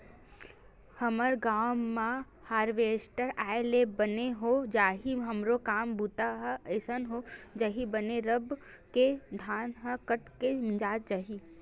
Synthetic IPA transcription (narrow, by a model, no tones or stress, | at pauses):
həməɾɡaːmːã | haːɾʋeːsʈəɾaːelebəneɦod͡ʒaːɦiɦɐmɾokaːmbʱut̪aɦɛəɪsənɦod͡ʒaɦibəneɾəb | ked̪ʱaːnɦəkəʈkemd͡ʒaːt̪̚d͡ʒaɦi